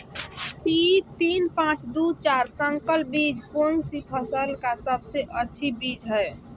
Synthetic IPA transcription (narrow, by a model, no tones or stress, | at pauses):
pit̪inpãt͡ʃd̪ut͡ʃaɾsəŋkəlbid͡ʒponsipʰəsəlkasəbseʔətːʃʰibid͡ʒɦɛɪ